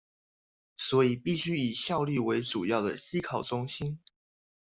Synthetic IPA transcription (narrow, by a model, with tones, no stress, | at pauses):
swɔ˧˥i˨˩pi˥˨˩ɕy˥i˨˩ɕjɑ˥˧ʊli˥˩we˧˥ɪʈ͡ʂu˨˩jɑ˥˩ʊd̪ə̰˩ɕi˥kʰɑ˨˩ʊʈ͡ʂʊ˦ŋɕi˦˥n